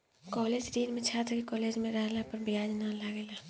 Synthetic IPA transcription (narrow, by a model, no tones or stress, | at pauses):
kɔːleːd͡ʒɾiːnmẽt͡ʃʰaːt̪ɾkekɔːleːd͡ʒmẽɾɛɦlapɐɾbɪjaːd͡ʒnalaɡela